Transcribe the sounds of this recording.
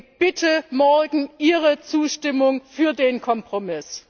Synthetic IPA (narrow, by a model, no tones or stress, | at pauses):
b̥ɪtʰəmɔɐɡŋ̩ʔiːʁət͡suːʃtɪmʊŋfyːɐdeːnkʰɔmpʁ̥omɪs